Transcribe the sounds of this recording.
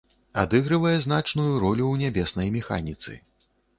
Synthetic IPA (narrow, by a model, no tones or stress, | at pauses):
a̰d̪ɨɣɾɨvɐjɛznat͡ʂnujuɾɔlʲuwnʲabʲɛsnɐjmʲɛxa̰nʲit̪sɨ̰